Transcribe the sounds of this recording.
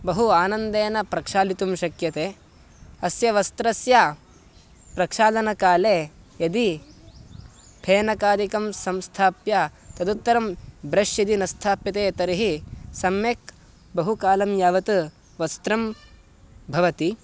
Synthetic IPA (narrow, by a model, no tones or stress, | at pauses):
bɐɦuaːnɐnd̪eːnɐpɾɐkʂaːlit̪umʃɐkjɐt̪eː | ɐsjɐʋɐst̪ɾɐsja | pɾɐkʂaːd̪ɐnɐkaːleː | jɐd̪i | pʰeːnɐkaːd̪ikɐmsɐmst̪ʰaːpjat̪ɐd̪ut̪ːɐɾɐmbɾɐʃjɐd̪inɐst̪ʰaːpit̪eːt̪ɐɾiɦisɐmjeːk̚ | bɐɦukaːlɐmjaːʋɐt̪u | ʋɐst̪ɾɐm | bʱɐʋɐt̪i